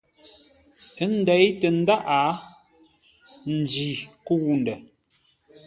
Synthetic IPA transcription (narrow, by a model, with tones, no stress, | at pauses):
ə˦n̩˦dɛ˨˦jtə˨n̩˦da˦ʔa˨˦ | n̩˨d͡ʒi˨ku˦˨wn˨dɛ˨